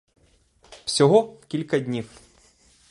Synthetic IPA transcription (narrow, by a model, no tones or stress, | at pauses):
wsʲɔɦɔkʲilʲkɐdʲnʲiw